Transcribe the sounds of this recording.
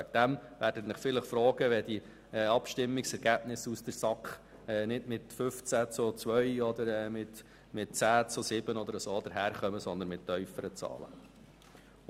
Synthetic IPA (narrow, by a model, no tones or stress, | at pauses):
ɛk̚d̥̪æmʋæːɾdətnɪχfɪləχfɾɔːɡ̥əʋɛd̥̪i | ɛɑpʃtɪmːɪksɛɾɡæːbnɪsusd̥̪əɾsɑkχ | ɛːnɪdmɪt̪fʏft͡sæt͡sut͡sʋœjɔd̪əɾɛːmɪt | mɪt̚t͡sæːt͡susɪb̥ənɔd̪əɾəsoːd̪əɾɦæːɾχœməsɔnd̪ənmɪtːœʏfəɾət͡sɑ̰ːlə̰